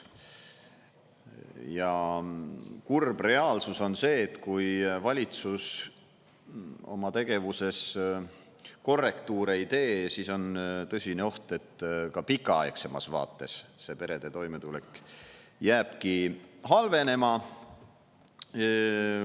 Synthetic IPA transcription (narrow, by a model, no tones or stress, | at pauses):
jɑ | kurb̥re̞ɑːlsuso̞nse̞ːt̪kujvɑlʲit̪sus | o̞̰mɑt̪e̞ɡ̥e̞vuse̞s | ko̞rːe̞kt̪uːɾeit̪e̞ːsiso̞nt̪ɤsʲineo̞ht̪e̞t̪ːkɑpikːˑɑɑekse̞mɑ̰svɑ̰ːt̪ːˑe̞sse̞pe̞ɾe̞d̪e̞t̪o̞jmet̪ule̞kːˑ | jæːb̥kiɦɑlve̞ne̞mɑ